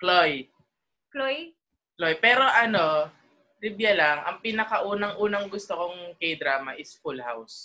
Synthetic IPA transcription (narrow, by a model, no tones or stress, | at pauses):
kloj | kloj | lojpɛːɾo̞ʔɐno̞ | ɾɪbjɐlaŋʔɐ̰ŋpɪnɐkɐʔuːnɐŋʔuːnɐŋɡʊst̪okoŋkɐjd̪ɾaːmɐʔɪsfulha̰ws